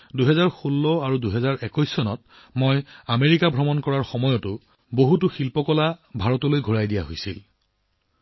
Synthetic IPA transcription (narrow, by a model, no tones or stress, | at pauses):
duɦɛzaɹxulːɔaɹuduɦɛzaɹʔɛkɔjsːɔnɔ̰t̚ | mojameɹikabʱɹɔmɔnkɔɹaɹxɔmɔjɔtʊ | boɦutʊxilpɔkɔlabʱaɹɔtɔlojɡʱoɹajdijaɦojsil